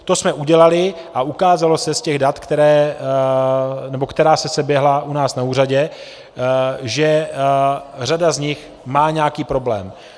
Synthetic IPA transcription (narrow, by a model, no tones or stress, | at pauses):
t̪o̞smɛʔuɟɛlalɪ | ʔaʔukaːzalo̞sɛscɛɣdat̪kt̪ɛɾɛː | nɛbokt̪ɛɾaːsɛsɛbjɛɦlaʔunaːsnauːraɟɛ | ʒɛ | r̝adazɲɪx | maːɲɛakiːpɾo̞blɛ̰ːm